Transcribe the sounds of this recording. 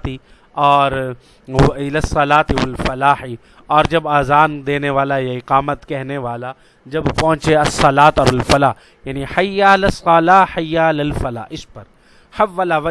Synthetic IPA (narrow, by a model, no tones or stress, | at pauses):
t̪i | ɔːɾ | ɪlɐsːɐlaːt̪iʋɐlfɐlaːħi | ɔːɾd͡ʒɐbaːzaːnd̪eːneʋaːlajaɪqaːmət̪kɛɦneʋaːla | d͡ʒɐbpɐ̃ʊ̃t͡ʃeɐsːɐlaːt̪ɔːɾɐlfɐlaː | jaːniħɐjːaːlɐsɐlaːħɐjaːlɐlfɐla̰ːɪspɐɾ | hɐʋːɐlaʋɐ